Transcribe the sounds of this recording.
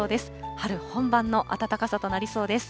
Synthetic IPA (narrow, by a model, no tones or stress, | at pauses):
d̪e̞sɨ̥haɾɯ̟hõ̞mbãnːo̞ʔa̰t̪at̪akasat̪o̞naɾʲiso̞ːd̪e̞sɨ̥